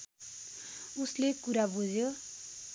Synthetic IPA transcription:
uslekuɾabud͡zjo

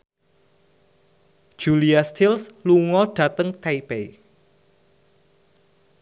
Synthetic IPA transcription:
ʒ̥uliast̪ilsluŋɔɖ̥ä̤t̪əŋt̪aipej

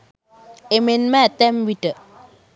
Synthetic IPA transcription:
emenmat̪ɛmwitə

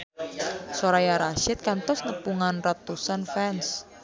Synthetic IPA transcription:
soɾajaɾaʃɪt̪̚kant̪ɔsnəpuŋanrat̪usanfɛns

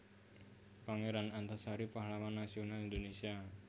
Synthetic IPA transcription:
paŋeɾanant̪asaɾipaɦlawanːasionalind̪onesia

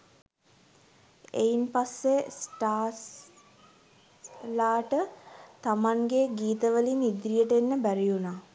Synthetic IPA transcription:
einpasːesʈaːs | laːʈət̪amaŋɡeɡiːt̪əʋəlinid̪ɾijəʈəenːəbæɾijunaː

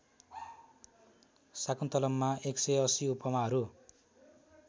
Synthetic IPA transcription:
sakunt̪ʌlʌmːaeksʌjʌsiupʌmaɦʌɾu

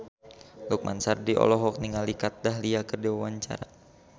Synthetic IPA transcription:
luk̚mʔa̰nsardiʔɔ̰lɔɦɔk̚niŋalikat̪̚daɦliakərdiwawaɲt͡ʃa̰ɾa

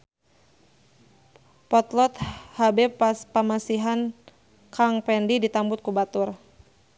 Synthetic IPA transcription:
pɔt̪lɔt̪habɛppəmasiɦan | kaŋpɛndidit̪ambʊt̪̚kubat̪ʊr

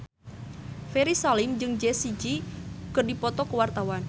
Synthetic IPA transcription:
feɾisalimd͡ʒɨŋd͡ʒɛsid͡ʒikɨrdipɔt̪ɔkəwart̪awan

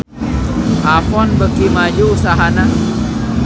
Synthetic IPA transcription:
ʔapɔnbəkimad͡ʒuusaɦana

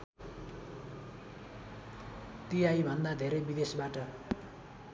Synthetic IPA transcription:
t̪iajbʱʌnd̪ad̪ʱeɾʌbid̪esbaʈʌ

